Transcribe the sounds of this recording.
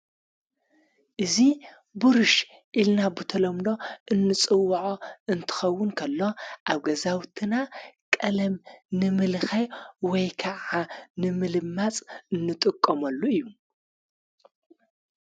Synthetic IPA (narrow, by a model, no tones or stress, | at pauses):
ʔɨzi | bɨɾɨʃ | ʔilnabɨt̪ʰɐlɐmd̪o̞ʔɨnːɨt͡sʼɨwːʔoɨnt̪ʰɨ̥xɐwːʊnkʰɐlːo̞ʔaβɡɐzawt̪ʰɨnakʼɐlɐmnɨmɨlxɐwɔjkʰaʕanɨmɨlɨmːat͡sʼɨnːɨt̪ʼɨkʼːɐmɐlːuɨjːu